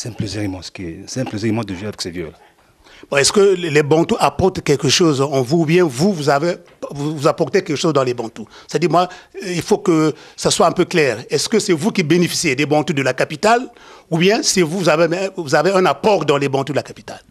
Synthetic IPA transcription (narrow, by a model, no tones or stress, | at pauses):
sɛɛ̃pleziʁimɑ̃sə̥kiɛ̰sɛɛ̃pleziʁimɑ̃d̪əvjavɛksɛvjø̰la | bɔ̃ɛskəlebɑ̃t̪uʔapɔʁt̪kʲɛlkəʃozɑ̃vuːbjɛ̃vuvuzave | vuvuzapɔʁt̪ekɛlkəʃozd̪ɑ̃lebɑ̃t̪usɛ̥t̪ad̪iʁmwailfokəsaswaɛ̃pøklɛʁɛskəsɛvukibenefi̥sjed̪ebɑ̃t̪ud̪əlakapit̪alubjɛ̃sɛvuvuzaveɛvuzaveɛ̃napɔʁd̪ɑ̃lebɑ̃t̪ud̪əlakapit̪al